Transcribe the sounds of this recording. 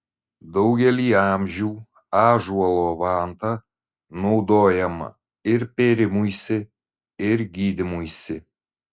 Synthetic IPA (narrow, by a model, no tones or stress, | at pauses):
d̪ɒʊɡʲɛlʲiːɑmʲʒʲuː | ɑːʒuɔlˠoːʋɑːnt̪ɑ | nɔʊd̪oːjɛmɐ̰ | ɪɾpʲeːɾʲɪmujsʲɪ | ɪɾɡʲiːd̪ʲɪmujsʲɪ